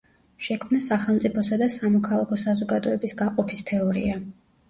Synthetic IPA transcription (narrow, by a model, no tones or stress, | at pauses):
ʃɛkʰmnasaχɛlˠmt̪sʼipʰɔsad̪asamɔkʰalˠakʰɔsazɔɡad̪ɔɛbisɡaqʼɔpʰist̪ʰɛɔɾḭa